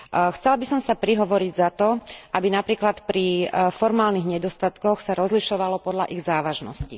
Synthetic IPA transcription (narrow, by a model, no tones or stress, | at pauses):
xt͡sɛlbisɔmsapɾiɦɔʋɔɾiɟzat̪ɔʔabinapɾiːklat̪pɾifɔɾmaːlniɣɲɛd̪ɔst̪at̪kɔxsaɾɔzliʃɔʋalɔpɔd̪ʎaʔiɣzaːʋaʒnɔ̰scḭ